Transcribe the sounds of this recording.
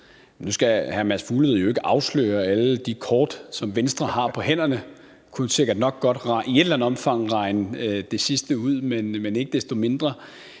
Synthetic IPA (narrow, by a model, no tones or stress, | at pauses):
nusɡ̥æhæɐmæsfuːleð̞̩ˠjo̝e̝ɡ̥əʔɑ̈ʊslø̰ːɐæləd̥ikʰɒːd̥sɒ̽mʋensd̥ʁɐhɑ̈pʰɒ̽hen̰ɐnə | kʰunse̝ɡ̥ɐd̥nɒ̽ɡ̥̚ɡ̥ɒ̽d̥ʁɑ̈ʔie̝d̥lænð̩ˠɒ̽mfɑ̈ŋ̰ʁɑ̈ɪnəd̥e̝sisd̥əuð̰ˠmenmene̝ɡ̥əd̥esd̥o̝me̝nd̥ʁɐ